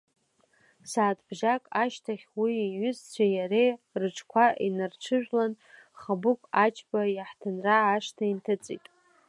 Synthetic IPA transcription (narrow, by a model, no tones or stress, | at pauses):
saːtʰbʒakʼaʃtʰaχʲwiiɥʏzt͡ɕʷʰajaɾejrɨʈ͡ʂʰkʷʰaʔinɨrt͡ʃʷʰɨʒᶣlan | χabʊkʷʰʼat͡ʃʰʼbajaħtʰɨnraːʂtʰaintʰat͡sʼḭtʼ